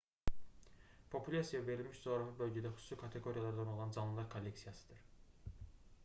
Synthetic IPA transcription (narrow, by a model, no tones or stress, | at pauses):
pʰo̞pʰulʲasijɑve̞ɾilʲmiʃd͡ʒoɾɑfɯbø̞lʲɟɛd̪æxysu̥sˠikʰɑt̪ʰe̞ɡo̞ɾijɑlˠɑɾd̪ɑno̞lˠɑnd͡ʒɑnlˠɯlˠɑɾkʰolʲːe̞ksijɑsɯ̥d̪̥ɯɾ̥